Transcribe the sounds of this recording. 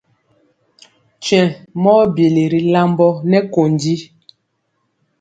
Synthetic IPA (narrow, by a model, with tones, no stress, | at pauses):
t͡ʃɥɛ̃˨mɔː˦bje˨le˨ɾi˨la˦mbɔ˦nɛ˦ko˨ndi˦